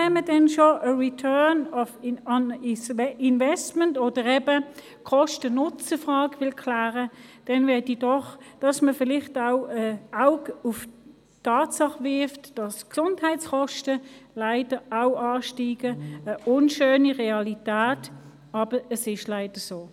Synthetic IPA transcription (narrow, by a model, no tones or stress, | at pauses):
ɛnmədɛnʃoʔəʁitʰœɐnɔfɑnsɪnvɛstməntoːd̥əʁɛbə | kʰɔʃtənʊt͡səfʁɑːɡʋɪlkʰlæːʁəd̥ɛnvɛɐdid̥ɔχd̥ɑsməfɪlɪχtaʊɛaʊɡʊf | tʰɑːtsɑχʋɪɐftd̥ɑsksʊnthaɪtt͡skɔʃtəlaɪd̥əaʊʔɑːʃtiːɡ̥əəʔʊnʃøːniʁeɑlitæːt | ɑːb̥əəsɪʃlaɪd̥əsoː